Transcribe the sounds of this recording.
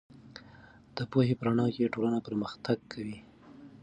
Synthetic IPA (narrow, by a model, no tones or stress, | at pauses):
d̪̥əpohepəɾaɳɑkeʈolanapəɾməxt̪aɡ̚kʰawi